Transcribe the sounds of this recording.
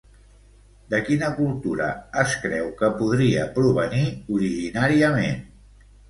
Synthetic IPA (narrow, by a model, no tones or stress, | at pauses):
d̪əkinəkulˠt̪uɾə̰ːskɾɛwkəpuðɾiəpɾuβ̞əniuɾiʒinaɾiəmḛn